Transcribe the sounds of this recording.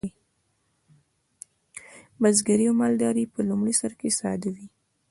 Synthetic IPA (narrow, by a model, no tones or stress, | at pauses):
bazɡaɾiamɑld̪ɑɾipəlumɽisaɾkesɑ̰d̪awi